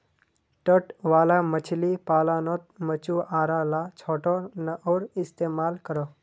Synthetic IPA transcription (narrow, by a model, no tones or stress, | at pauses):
ʈəʈʋaːlamət͡ʃʰlipaːlaːnot̪̚mət͡ʃuaːɾalat͡ʃʰoːʈonəʔoːɾɪst̪eːmaːlkəɾoː